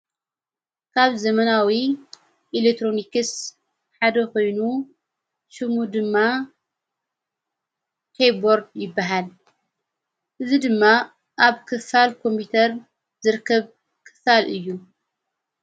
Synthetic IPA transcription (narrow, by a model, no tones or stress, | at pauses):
kʰaβzɐmɐnawi | ʔilek̚t̪ʰɾo̞nikɨs | ħad̪ɐko̞jnu | ʃɨmud̪ɨmːa | t̪ʰejbo̞ɾd̪jɪbːaɦal | ʔɨzid̪ɨmːa | ʔaβkʰɨfalkʰo̞mpit̪ʰɐɾ | zɨɾkʰːɐβ | kʰɨ̥falɨjːu